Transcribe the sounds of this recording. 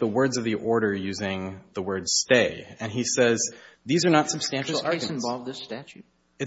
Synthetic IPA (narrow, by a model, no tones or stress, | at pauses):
ðəwɜ˞dzʌvðiʔɔɹɾə˞jʉzɪ̃ŋðəwɜ˞dz̥steɪɨ̃nisɛzðizə˞nətsɨb̥stæ̃nʃl̩ˠɑɹ̃nvɑlˠvðɪstæt͡ʃʉt̚ | ɨ